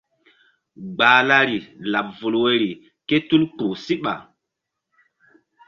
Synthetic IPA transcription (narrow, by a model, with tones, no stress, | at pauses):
ɡ͡baː˨la˦ɾi˨la˨p̚vu˨lwe˨ɾi˨ | ke˦tu˦lk͡pu˨si˦ɓa̰˨